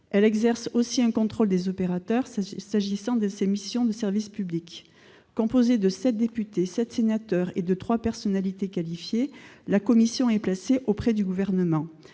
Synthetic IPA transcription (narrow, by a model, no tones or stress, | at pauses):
ɛlɛɡzɛʁsosiɛ̃kɔ̃t̪χɔld̪ezɔpeʁat̪œʁsaʒisɑ̃d̪əsemisjɔ̃d̪əsɛʁvispyblikː | ɔ̃pozed̪əsɛt̪̚d̪epyt̪esɛt̪senat̪œʁed̪ət̪χwapɛʁsɔnalit̪ekalifjelakɔmisjɔ̃ɛplaseʔopχɛd̪yɡuvɛʁnəmɑ̃